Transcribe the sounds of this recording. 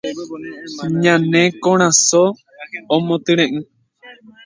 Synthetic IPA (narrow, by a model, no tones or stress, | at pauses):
ɲãnẽkõɾ̃ãsoː | mõt̪ɨɾ̃ẽʔɨ̃